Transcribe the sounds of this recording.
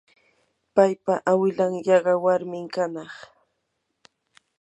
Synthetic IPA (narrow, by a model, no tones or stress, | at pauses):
pajpaʔawɪlaŋjɑɢɑwaɾmɪŋkanɑχ